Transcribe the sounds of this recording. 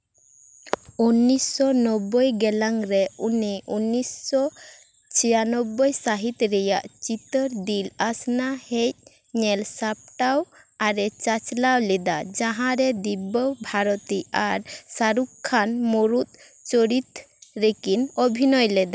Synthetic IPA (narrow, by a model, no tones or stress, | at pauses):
unːisːɔnɔbːɔjɡɛlaŋɾɛuniʔunːisːɔ | t͡ʃʰijanɔbːɔjsaɦit̪ɾɛjaʔt͡ʃit̪əɾd̪ilasnahɛc̚ˀ | ɲɛlsap̚ʈaw | aɾɛt͡ʃat͡ʃlawlɛd̪ad͡ʒãɦãɾɛd̪ibɔwbʱaɾɔt̪iaɾsaɾukkʰːanmɔɾut̪̚ | t͡ʃɔɾit̪ | ɾekinɔbʱinɔjlɛd̪a